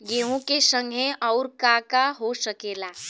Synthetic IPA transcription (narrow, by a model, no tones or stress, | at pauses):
ɡeɦũkesəŋɡʱeʔɔwɾkakaɦosəkela